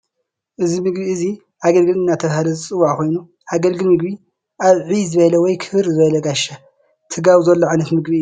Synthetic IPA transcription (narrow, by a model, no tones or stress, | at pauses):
ʔɨzimɨɡbiɨzi | haɡɐlɡɨlɨnːat̪ʰɐβhalɐzɨt͡sʼɨwːaʕko̞jnu | haɡɐlɡɨlmɨɡbi | ʔaβʕizɨβɐlɐwɔjkʰɨβɨɾzɨβɐlɐɡaʃa | t̪ʰɨɡawizɐlːoʕajnɐt̪mɨɡbi